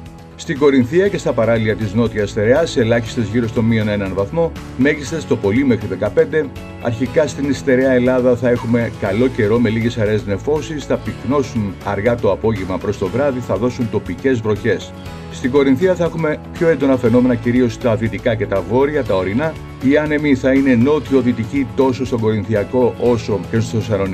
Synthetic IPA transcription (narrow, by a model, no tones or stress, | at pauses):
st̪iɡo̞ɾinθiɐce̞st̪ɐpɐɾɐliɐt̪izno̞t̪iɐst̪e̞ɾeɐse̞lɐçi̥st̪e̞zʝiɾo̞st̪o̞mio̞ne̞nɐnvɐθmo̞ | me̞ʝist̪e̞st̪o̞po̞lime̞xɾiðe̞kɐpe̞nd̪e̞ | ɐ̰ɾçikɐst̪inist̪e̞ɾeɐe̞lɐðɐθɐe̞xume̞kɐlo̞ce̞ɾo̞me̞liʝe̞sɐɾe̞zne̞fo̞sisθɐpikno̞sunɐɾɣɐt̪o̞ɐpo̞ʝevmɐpɾo̞st̪o̞vɾɐðiθɐðo̞sunt̪o̞pice̞zvɾo̞çe̞s | st̪iɡo̞ɾinθiɐθɐexume̞pço̞e̞nd̪o̞nɐfe̞no̞me̞nɐciɾio̞st̪ɐðit̪ikɐce̞t̪ɐvo̞ɾiɐt̪ɐo̞ɾinɐ | iɐne̞miθɐine̞no̞t̪io̞ðit̪icit̪o̞so̞st̪oɡo̞ɾinθiɐko̞ʔo̞so̞ceos̬sosɐnon